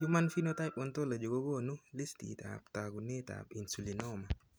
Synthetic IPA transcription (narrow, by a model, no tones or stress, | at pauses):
jumanfinotajpɔntolad͡ʒoɡoɡɔnulestḭta̰ptaɡuneta̰pinsulinɔma